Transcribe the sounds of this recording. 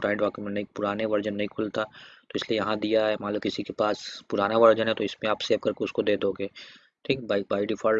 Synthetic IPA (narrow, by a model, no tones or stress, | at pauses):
ɾaːɪ̃ɳɖʋaːkemẽnɐĩpʊɾaːneʋɐɾd͡ʒənːɐɦĩkʰʊlt̪at̪oɪsliejɐɦãd̪ijaɦɛmaːləbkɪsikepaːspʊɾaːnaʋɐɾd͡ʒənɦɛt̪oɪsmẽaːpseːʋkɐɾkeʊskod̪eːd̪oːɡeː | ʈʰiːkbabaːiɖɪfʰaːl